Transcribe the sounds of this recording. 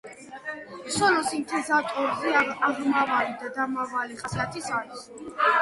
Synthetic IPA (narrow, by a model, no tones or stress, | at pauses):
sɔlɔsint̪ʰizat̪ʼɔɾzɛaaʁmavalid̪ad̪amavaliχʼasat̪ʰisaɾis